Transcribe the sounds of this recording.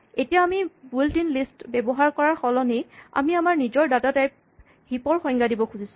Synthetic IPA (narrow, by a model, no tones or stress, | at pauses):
etijaːmibuldinlistbɛbɔɦaɹkɔɹaɹxɔlɔneja̰miamaɹnizɔɹdadatajp̚ | hipɔɹxɔɲɡadibɔkʰuzisʊ̥